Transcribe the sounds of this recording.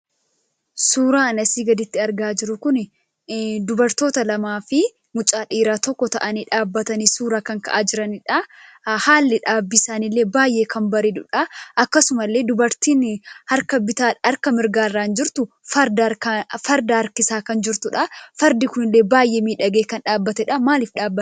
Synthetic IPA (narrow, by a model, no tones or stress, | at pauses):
suːɾaːɐnɐsiːɡɐd̪ɪt̪ːɪɐɾɡaːd͡ʒɪɾʊkʊnɪ | d̪ʊbɐɾt̪o̞ːt̪ɐlɐmaːfɪ | mʊt͡ʃʼaːᶑiːɾaːt̪ɔkːɔt̪ɐ̰ʔɐniːᶑaːbːɐt̪ɐnisuːɾaːkɐŋkɐʔaːd͡ʒɪɾɐnɪᶑɐ | haːlːɪᶑaːbːɪsaːnɪlːeːbaːjʔe̞ːkʰɐmbɐɾiːd̪ʊᶑɐʔɐkːɐsʊmɐlːe̞ːd̪ʊbɐɾt̪iːnhɐɾkɐbɪt̪aːɐɾkɐmɪɾɡaːrːaːnd͡ʒɪɾt̪ʊ | fɐɾd̪akfɐɾd̪aɐɾkɪsaːkɐnd͡ʒɪɾt̪ʊᶑɐfɐɾd̪ɪkʊnɪlːe̞ːbaːjʔeːmiːᶑɐɡeːkɐnᶑaːbːɐt̪ɛᶑɐmaːlɪfᶑaːbːɐ